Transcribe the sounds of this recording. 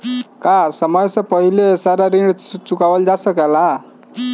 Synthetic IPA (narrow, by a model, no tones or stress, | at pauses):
kasʌmʌjsʌpʌɦileːsaɾaɾiɳɖt͡sukawəld͡zasʌkala